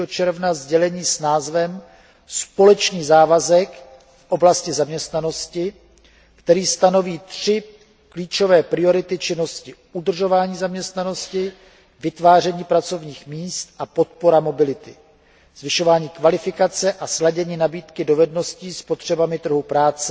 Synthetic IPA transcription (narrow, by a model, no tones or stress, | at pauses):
ɦot͡ʃɛɾvnazɟɛlɛɲiːsnaːzvɛm | spo̞lɛt͡ʃniːzaːvazɛk | fʔo̞blascɪzamɲɛst̪nano̞scɪ | kt̪ɛɾiːst̪ano̞viːt̪r̝̥ɪ | kliːt͡ʃo̞vɛːpɾɪo̞ɾɪt̪ɪt͡ʃɪno̞scɪʔudr̩ʒo̞vaːɲiːzamɲɛst̪nano̞scɪ | vɪt̪vaːr̝ɛɲiːpɾat͡so̞vɲiːxmiːst̪ʔapo̞t̪̚poɾamo̞bɪlɪt̪ɪ | z̥vɪʃo̞vaːɲiːkvalɪfɪkat͡sɛʔaslaɟɛɲiːnabiːt̪kɪdo̞vɛdno̞sciːspot̪r̝̥ɛbamɪt̪r̩ɦupɾaːt͡sɛ